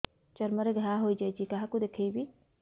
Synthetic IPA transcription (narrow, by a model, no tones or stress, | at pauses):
t͡ʃɐɾmɐɾeɡʱɾaːɦoːid͡ʒad͡ʒikɐɦakud̪ekʰebi